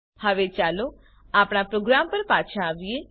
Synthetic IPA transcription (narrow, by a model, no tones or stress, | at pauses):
həʋet͡ʃalo | apɽ̃apɾoɡɾampəɾpat͡ʃʰaːʋije